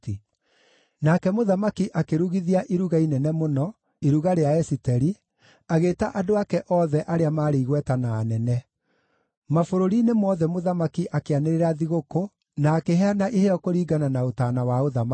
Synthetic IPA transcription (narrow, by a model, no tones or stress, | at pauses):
nakɛmoðamakiʔakeɾuɣiðiaʔiɾuɣainɛnɛmonɔ | eɾuɣaɾeaɛsitɛɾi | aɣeːtaʔadoakɛʔɔðɛʔaɾeamaːɾeiɣwɛtanaːnɛnɛ | mafoɾoɾinemɔðɛmoðamakiʔakeaneɾeɾaðiɣoko | naːkeɦɛanaʔeheɔkoɾiːɡananaotaːnawaoðama